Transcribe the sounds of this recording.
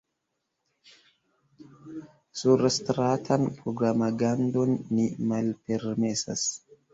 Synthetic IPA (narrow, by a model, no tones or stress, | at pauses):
suɾstɾatʰanpɾoɡɾamaɡando̞nːimalpeɾme̞sa̰s